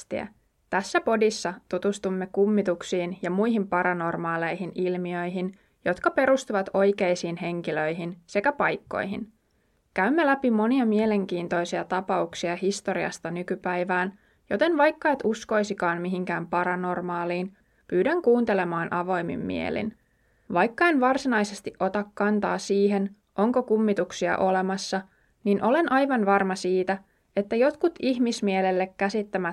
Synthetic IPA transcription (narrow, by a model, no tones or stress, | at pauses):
t̪iæ̰ | t̪æsːæpo̞disːɑt̪ut̪ust̪umːe̞kumːit̪uksiːnjɑmujɦimpɑɾɑno̞rmɑːlejɦinʔilmiø̞jɦin | jo̞t̪kɑpe̞ɾust̪uʋɑt̪o̞jke̞jsiːnɦe̞ŋkiløjɦinse̞kæpɑjkːo̞̰jɦin | kæymːe̞læpimo̞niɑmiele̞ŋk̟iːnt̪o̞jsiɑt̪ɑpɑuksiɑhist̪o̞ɾiɑ̰st̪ɑnykypæjʋæːn | jo̞t̪e̞nʋɑjkːɑet̪usko̞jsikɑːnmiɦiŋk̟æːmpɑɾɑno̞rmɑːliːn | pyːdæŋkuːnt̪e̞le̞mɑːnʔɑʋo̞jmḭmːḭḛlḭn | ʋɑjkːɑenʋɑrsinɑjse̞st̪iʔo̞t̪ɑkːɑnt̪ɑ̰ːsiːɦe̞n | ʔo̞ŋko̞kumːit̪uksiɑ̰ʔo̞le̞mɑsːɑ | ninʔo̞le̞nʔɑjʋɑnʋɑrmɑsiːt̪æ | e̞t̪ːæjo̞t̪kut̪ihmismielelːekːæsit̪ːæmæ